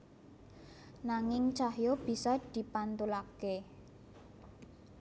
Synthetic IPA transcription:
naŋɪŋt͡ʃahjob̥i̤sɔd̪̥i̤pant̪ulake

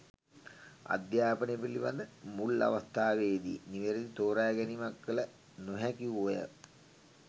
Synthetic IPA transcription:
a̰d̪jaːpənep̬iliʋand̪əmula̰ʋast̪aːʋeːd̪ḭniʋeɾed̪it̪oːɾaːɡɛnimakːələ | nuɦɛkiʋuojə̰

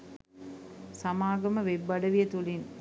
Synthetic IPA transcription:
sɐmaːɡɐməʋebːɐɖɐʋijɐt̪ulin

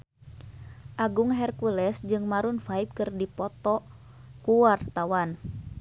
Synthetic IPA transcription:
ʔaɡuŋɦɛrkulɛsd͡ʒɨŋmaɾunfaip̚kɨrdipɔt̪ɔ | kuwart̪awan

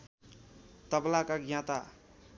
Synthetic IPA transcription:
t̪ʌblakaɡjãt̪a

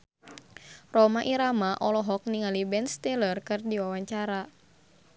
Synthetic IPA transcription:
rɔmaʔiɾamaʔɔlɔɦɔk̚niŋalibɛnst̪ɛlərkɨrdiwawaɲt͡ʃaɾa

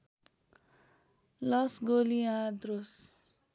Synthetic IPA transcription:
lʌsɡoliãd̪ros

